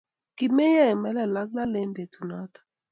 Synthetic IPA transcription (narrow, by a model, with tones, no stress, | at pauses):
ki˨me˦ja˦ɛ˨mɛ˦lɛ˦˨la˦k̚la˦le˦mbe˨tu˨na˦tḁ˨